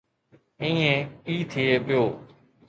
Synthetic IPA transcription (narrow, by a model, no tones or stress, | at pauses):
ĩːẽːiːt̪ʰɪeːpɪjoː